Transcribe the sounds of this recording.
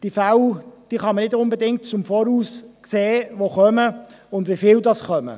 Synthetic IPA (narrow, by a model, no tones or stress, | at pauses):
d̥iːfaʊd̥iːχɑmənɪdʊnbədɪŋtt͡sʊmfɔːɾuːskseːvoχœmə | ʊndvifɪldɑsχœmə̰